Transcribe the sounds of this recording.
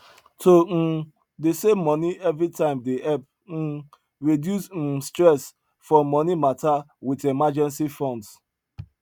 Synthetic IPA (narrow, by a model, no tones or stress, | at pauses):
tʰon̩ | desemːɔniɛvɾitãɪ̃mdeɛp̚ | n̩ | ɹidjusn̩stɹɛs | fɔmːɔnimata | witemad͡ʒɛ̃nsifɔ̃nds